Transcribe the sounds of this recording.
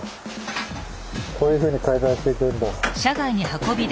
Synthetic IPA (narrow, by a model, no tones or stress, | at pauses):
k̪o̞ːjɯ̟ːɸɯ̟ːɲ̟ikaizãɰ̃ɕi̥t̪e̞it̪eɯ̟̃nd̪aɕaɡaiɲ̟ihako̞bʲid̪